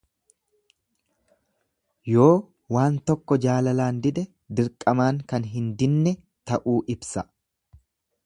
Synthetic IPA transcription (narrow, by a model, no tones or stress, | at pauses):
jo̞ː | waːnt̪ɔkːɔd͡ʒaːlɐlaːnd̪ɪd̪ɛ | d̪ɪɾkʼɐmaːŋkɐnɦɪnd̪ɪnːɛ | t̪ɐʔuːʔɪbsɐ